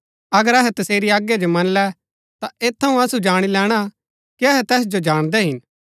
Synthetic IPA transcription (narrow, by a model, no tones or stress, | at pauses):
ɐɡəɾɐɦɛt̪ɐseːɾiaːɡjad͡ʒomɐnlɛ | t̪aʔeːt̪ʰːɐɦũɐsud͡ʒaːɽ̃ilɛːɽ̃a | kiɐɦɛt̪ɛːs̬d͡ʒod͡ʒaːɽ̃d̪ɛɦɪn